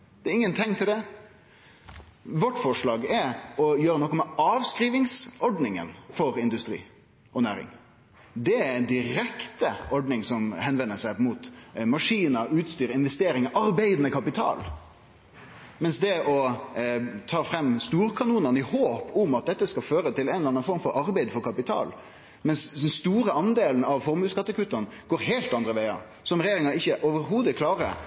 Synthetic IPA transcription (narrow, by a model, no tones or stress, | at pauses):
d̪̥ɛɾɪŋːənt̪ʰɛŋkt̪ʰɪld̪ɛ | ʋɔʈːfɔʂlɑːɡɛɾɔjøːɾənɔkːɔmɛɑːʋskɾiːʋɪŋsɔɖnɪŋə̰nfɔɾɪnd̪ʉst̪ɾḭː | ʔɔnæːɾɪ̰ŋ | d̪ɛænd̪ɪɾɛkt̪əʔɔɖnɪŋsɔmhɛnʋɛnːəsæɪmut̪mɑʂiːnəʉːt̪st̪yːɾɪnʋɛst̪eːɾɪŋʔɑɾbæɪd̪nəkʰɑpɪt̪ʰɑ̰ːl | mɛnsd̪ɛɔ | t̪ʰɑːfɾɛmːst̪uːɾkʰɑnuːnɑnɪhoːpʰʊmɑt̪̚d̪ɛt̪ːəskɑføːɾət̪ʰɪlɛnlɑnːɑnfɔɾmfɔɾɑɾbæɪd̪fɔɾkʰɑpɪt̪ʰɑ̰ːl | mɛnsd̪ɛnst̪uːɾəɑnd̪eːlən̩ɑʋfɔɾmʉːskɑt̪ːəkʰʉːt̪ːənɡ̥oːɾɦeɪlt̪ɑnd̪ɾəʋæɪɑ̰ | sɔmɾɛjeːɾɪŋɑɪçːəʔɔʋəɾɦuːd̪əkʰlɑːɾə̰